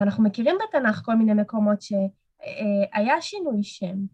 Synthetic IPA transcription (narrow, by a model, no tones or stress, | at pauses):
anaχnumekiʁimbetanaχko̞lminejme̞ko̞mo̞tʃe̞ | ʔajaʃinujʃem